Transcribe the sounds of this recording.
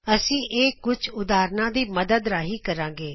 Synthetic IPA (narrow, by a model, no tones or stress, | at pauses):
əsĩːʔeːkʊt͡ʃʰʊd̪aːɾnãːd̪iːməd̪əd̪ɾaːɦiːkəɾãːɡeː